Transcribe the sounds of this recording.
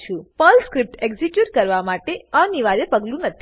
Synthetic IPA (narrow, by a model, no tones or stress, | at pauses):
t͡ʃʰũpəlskɾip̚ʈekzikjuʈkəɾʋamaʈeəniʋaɾepəɡlũnət̪ʰ